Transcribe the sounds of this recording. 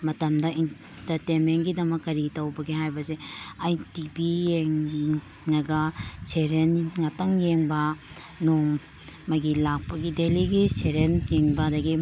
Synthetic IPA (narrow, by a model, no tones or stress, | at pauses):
mɐtɐmdɐin | tɐɾtenmentɡidɐmɐkːɐɾitɐwbɐɡeɦajbɐseajtibijeŋ | nɐɡɐseɾenŋɐtɐŋjeŋbɐ | noŋ | mɐɡilak̚pɐɡideliɡiseɾenjeŋbɐdɐɡi